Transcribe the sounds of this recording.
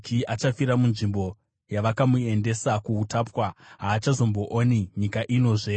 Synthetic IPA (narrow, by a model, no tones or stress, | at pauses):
kiat͡ʃafiɾamunʐimbo̞ | jaʋakamue̞nde̞sakuutaːpwaɦaːt͡ʃazo̞mbo̞ʔoːniɲikaʔino̞ːʐe̞